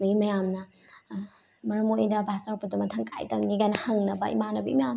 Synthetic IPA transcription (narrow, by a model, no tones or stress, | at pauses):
dɐɡimɐjamnɐ | mɐɾɐmojdɐbʱastaɾpʰudɐmɐtʰɐŋka̰jtɐmnikajnɐhɐŋnɐbɐ̰ḭmanɐbɐimɐja